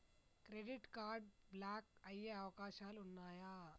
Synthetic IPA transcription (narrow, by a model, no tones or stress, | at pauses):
kɾeɖiʈkaɾɖ̚blak̚ɐjeawkaɕalunːaːja